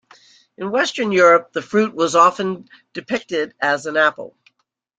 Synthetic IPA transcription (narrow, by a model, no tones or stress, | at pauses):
ɨ̃nwɛstə̃˞njʊɹɨp̚ðɨfɹʉt̚wʌzɑfɨ̃n | d̥ɨpʰɪk̚tɪɾɨzɨ̃næpl̩ˠ